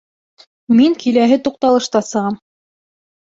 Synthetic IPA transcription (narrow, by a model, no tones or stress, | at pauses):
miŋkilæɦɘt̪uq̚t̪ɑlˠɤ̆ʃt̪ɑsɤ̆ʁɑm